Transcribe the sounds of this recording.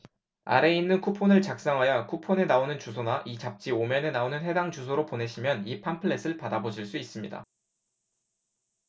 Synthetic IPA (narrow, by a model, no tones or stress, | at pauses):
a̰ɾe̞inːɯnkʰupʰonɯɭt͡ɕak̚s͈aŋɦajakʰupʰone̞naonɯnt͡ɕusʰonaʔit͡ɕap̚t͡ɕ͈iomjʌne̞naonɯnɦe̞daŋt͡ɕusʰoɾopone̞ɕʰimjʌnipʰampʰɯɭːe̞sʰɯɭpadaboɕʰiɭs͈uis͈ɯmɲida̰